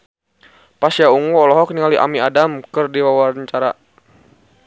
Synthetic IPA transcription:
pasjauŋɔɔlɔɦɔkniŋaliʔa̰miadamkərdiwawarɲt͡ʃaɾa

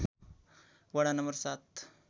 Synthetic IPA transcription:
ʋɐɽanɐmbəɾsat̪

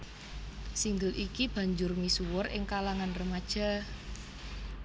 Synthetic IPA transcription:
siŋɡəlʔikib̥a̤ɲd͡ʒʊrmisuwʊrʔɪ̰ŋkalaŋanrəmad̥ʒ̥a̤

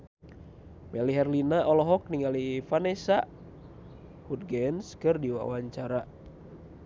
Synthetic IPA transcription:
mɛliɦɛrlinaʔɔlɔɦɔk̚niŋalifanɛsa | hud̚ɡɛnskɨrdiwa̰waɲt͡ʃaɾa

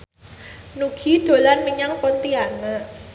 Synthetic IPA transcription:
nuɡ̥i̤d̥o̤lanməɲaŋpɔnt̪iana

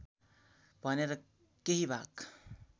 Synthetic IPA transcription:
b̥ʱʌneɾʌ | keɦibʱak

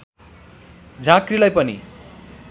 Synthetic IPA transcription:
d͡zʱãkrilajpʌnḭ

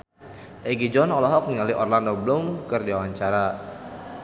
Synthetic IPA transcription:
ʔɛɡid͡ʒɔnɔlɔɦɔk̚nəŋaliʔɔrlandobəlumkərdiawaɲt͡ʃaɾa

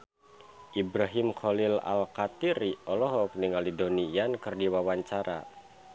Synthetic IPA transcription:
ʔibɾaɦimkɔlila̰lkat̪iɾiʔɔlɔɦɔk̚niŋalidonijankɨrdiwawaɲt͡ʃaɾa̰

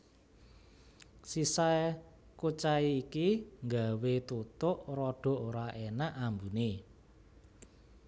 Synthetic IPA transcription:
sisaj | kut͡ʃaiːkiŋɡawet̪ut̪ʊʔrɔɖ̥ɔ̤ʔoɾaʔenaʔambune

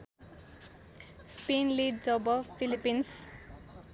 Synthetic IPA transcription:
spinliɖd͡ʒʌbʌfilipins

